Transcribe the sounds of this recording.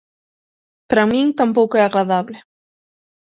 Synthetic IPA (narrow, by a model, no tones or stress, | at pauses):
pɾamĩŋt̪ampowkʊɛaɣɾaðaβlɪ